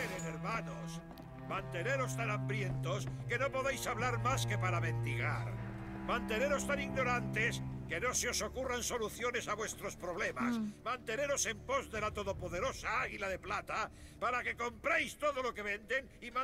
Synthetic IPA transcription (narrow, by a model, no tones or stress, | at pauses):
eɾeneɾmanos | mãnt̪e̞ne̞ɾo̞st̪anãmbɾje̞nt̪oske̞no̞po̞ðejsaβlaɾmaske̞paɾaβe̞nt̪iɣa̰ɾmãnt̪e̞ne̞ɾo̞st̪aniɣno̞ɾant̪e̞ske̞no̞seo̞so̞kuranso̞luθjo̞ne̞saβwe̞st̪ɾo̞spɾo̞β̞le̞ma̰smãnt̪e̞ne̞ɾo̞se̞mpo̞zðe̞lat̪o̞ðo̞po̞ðe̞ɾo̞saaɣilaðe̞plat̪a | paɾake̞ko̞mpɾejst̪o̞ðo̞lo̞ke̞βe̞nd̪e̞ŋimã